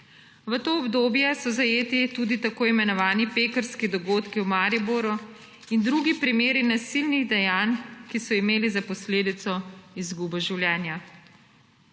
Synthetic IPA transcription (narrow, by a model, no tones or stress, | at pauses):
ʋət̪oːbd̪oːbjɛsɔzajeːt̪it̪ud̪it̪akoːimɛnɔʋaːnipeːkəɾskid̪ɔɡoːt̪kiwmaːɾibuɾu | ind̪ɾuɡipɾimeːɾinasilniɣd̪ɛjaːnkisɔimeːlizapɔsleːd̪it̪sɔizɡubɔʒiwljɛːnja